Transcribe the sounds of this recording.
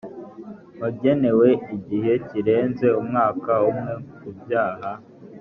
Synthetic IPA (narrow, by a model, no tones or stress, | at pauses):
βaɟe̞ne̞we̞iɟiɦe̞ciɾe̞ːnze̞umŋaːkaumŋe̞kubjaːɦa